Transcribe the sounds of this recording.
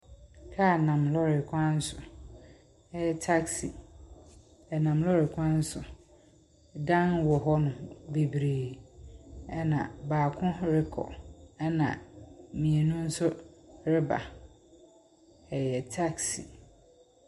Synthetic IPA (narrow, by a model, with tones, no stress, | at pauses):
kʰa˦˨nã˨mlɔ˦ɾɪ˨kʰʷã˦n̩˦sʊ˨ | ɛ˦jɛ˨tʰa˦ksi˨ | ɛ˨nã˨mlɔ˦ɾɪ˨kʷʰã˦n̩˦sʊ˨ | dã˦nwɔ˨ɦɔ˦nʊ̃˨be˨bɾeː˨ | ɛ˦nã̰˨baː˨kʰʊ̃˦ɾɪ˦kʰɔ̰˨ɛ˦nã̰˨mĩ˨e˨nũ˦n̩˦sʊ˦ɾɪ˦ba̰˨ | ɛ˨jɛ˨tʰa˦ksi˨